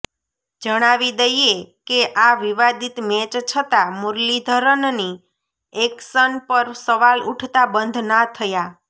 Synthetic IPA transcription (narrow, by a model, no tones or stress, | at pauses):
d͡ʒəɽ̃aʋid̪əjekeʔaʋiʋad̪it̪met͡ʃt͡ʃʰət̪amuɾlid̪ʱəɾənni | eksənpəɾsəʋaluʈʰt̪abənd̪ʱnat̪ʰəja